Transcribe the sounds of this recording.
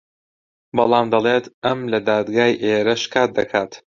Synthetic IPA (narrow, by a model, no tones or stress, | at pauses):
bɐlˠɑːmd̪ɐlˠeːt̪ɐmlɐd̪aːd̪ɡaːjʔeːɾɐʃkʰaːt̪̚d̪ɐkʰaːt̪